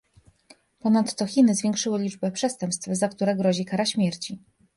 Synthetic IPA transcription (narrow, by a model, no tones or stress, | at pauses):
pɔnat̪ːɔxʲinɘzvʲjɛŋkʂɘwɘlʲid͡ʐbɛpʂɛst̪ɛmpst̪fzakt̪uɾɛɡɾɔʑikaɾaɕmʲjɛɾt͡ɕi